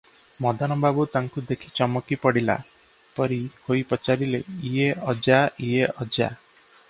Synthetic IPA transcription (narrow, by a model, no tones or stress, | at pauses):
mɔd̪ʱanɔbabut̪aŋkud̪ekʰit͡ʃɔmɔkipɔɽila̰ | pɔɾihojpɔt͡ʃaɾileieʔɔd͡ʒaieɔd͡ʒa̰